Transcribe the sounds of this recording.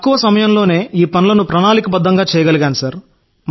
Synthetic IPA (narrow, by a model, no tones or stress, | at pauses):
ɐkːuʋɐsɐmɐjɐmlo̞ːne̞ːiːpɐnulɐnupɾɐnaːlikɐbɐd̪ːɐŋɡaːt͡ʃɛːjɐɡɐlɐɡaːnusɐɾ | m